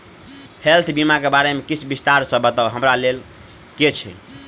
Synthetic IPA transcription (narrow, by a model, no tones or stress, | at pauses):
helt̪ʰbimakebaɾemekit͡ʃʰbist̪aɾsəbət̪əlɦəmɾalel | ket͡ʃʰḭ